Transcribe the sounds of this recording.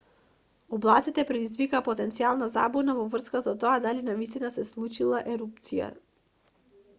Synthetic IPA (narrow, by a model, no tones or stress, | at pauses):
ɔblˠat̪sit̪ɛpɾɛd̪izvikaːpɔt̪ɛnt̪sialˠnaza̰bɔnavɔvr̩skasat̪oad̪alinavist̪inasɛslˠut͡ʃilˠaʔɛɾup̚t̪sija̰